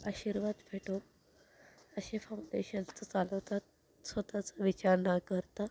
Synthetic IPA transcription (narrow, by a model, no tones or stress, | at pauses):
aɕiɾʋad̪fʰeʈo | əɕefauɳɖeɕənt͡sət͡saləʋt̪at̪̚ | sʋət̪at͡saʋit͡ɕaɾnakəɾt̪a